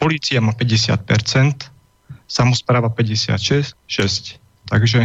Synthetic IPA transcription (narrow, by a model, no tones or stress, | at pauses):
pɔliːt͡siamaːpɛɟɛsɪa̰t̪̚pɛɾt͡sɛnt̪ | samɔspɾaːʋapɛɟɛsɪa̰t̪ʃɛsʃɛsc | t̪aɡʒɛ